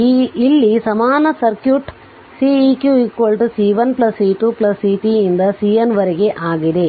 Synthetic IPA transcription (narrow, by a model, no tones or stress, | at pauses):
iːlːisɐmaːnɐsɐɾkjuʈ | siikjuikʋolʈusiːʋɐnplɐsːiːʈuːplɐsːiːʈiind̪ɐsiːɐnʋɐɾeɡe̞ʔaːɡid̪e̞